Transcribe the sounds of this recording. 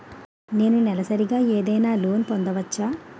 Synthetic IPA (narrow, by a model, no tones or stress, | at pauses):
ne̞ːnunɛlɐsɐɾiɡaːeːd̪ɐjnaːlo̞ːnpond̪ɐʋɐt͡ʃːaː